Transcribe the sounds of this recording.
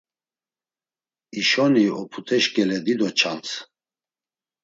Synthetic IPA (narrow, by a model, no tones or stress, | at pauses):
iʃɔniɔpʰut̪ʰɛʃkʼɛlɛd̪id̪ɔt͡ʃʰant͡sʰ